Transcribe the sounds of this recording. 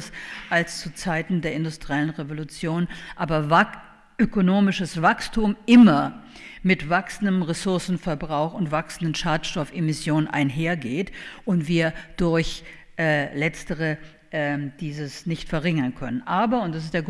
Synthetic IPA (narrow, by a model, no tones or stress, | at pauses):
sʔalst͡sut͡saɪtn̩deːɐɪndʊstʁ̥iɛlənʁevolut͡sjoːnʔaːbɐ | ʔøkonoːmɪʃəsv̥akstʰuːmʔɪmɐ | mɪtv̥aksn̩dəmʁesʊɐsn̩fɛɐbʁaʊxʊntv̥aksn̩dənʃaːtʃtɔfemɪsjoːnənʔa̰ɪnɦeːɐɡeːtʔʊntv̥iːɐd̥ʊɐç | ʔɛːlɛt͡stəʁə | ʔɛd̥iːzəsnɪçtfɛɐʁɪŋɐnkʰœ̰nənʔaːbɐʊntd̥as̬ɪstd̥eːɐɡ